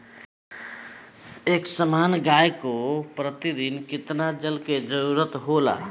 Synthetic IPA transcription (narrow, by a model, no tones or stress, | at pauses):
eːksəmaːnɡajkopɾət̪id̪inkɪt̪nad͡ʒəlked͡ʒəɾuɾət̪ɦola̰